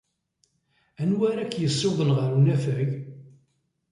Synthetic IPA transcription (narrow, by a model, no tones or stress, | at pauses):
ænwæɾækːjəsˤːɪwðˤənʁəɾunæfəɾɡ